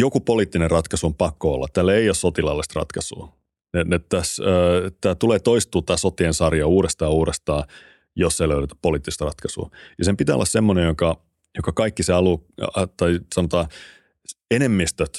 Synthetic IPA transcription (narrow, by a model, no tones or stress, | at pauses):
jokupoliːt̪ːinerrɑt̪kɑsuompɑkːoo̰lːɑ̰t̪t̪ælːæeijossot̪ilɑlːist̪rɑ̰t̪kɑsṵː | nenett̪æsːt̪ːæːt̪uleːt̪oist̪ːˑuːt̪æːsot̪ːiensɑrjɑuːɾest̪ɑːuːɾest̪ɑː | josːeːløyɾet̪ːæ̥ppoliːt̪ːist̪rɑt̪kɑsṵːjɑsempit̪æːo̰lːɑ̰ssemːonejjokɑ | jokɑkɑikːiseɑlut̪ɑisɑnot̪ɑː | enemːist̪øt̪